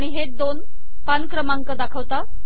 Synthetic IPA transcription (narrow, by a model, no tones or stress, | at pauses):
aɽ̃iɦed̪on | pankɾəmãŋkəd̪akʰəʋt̪a